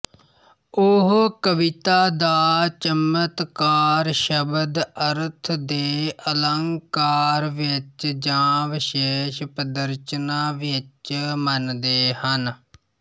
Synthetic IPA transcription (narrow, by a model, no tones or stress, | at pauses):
ʊɦkəʋɪt̪aːd̪aːt͡ʃəmət̪kaːɾʃəbəd̪əɾt̪ʰd̪eːʔələŋkaːɾʋɪt͡ʃd͡ʒãːʋɪʃeːʃpəd̪əɾt͡ʃnaːʋɪt͡ʃmənd̪eːhən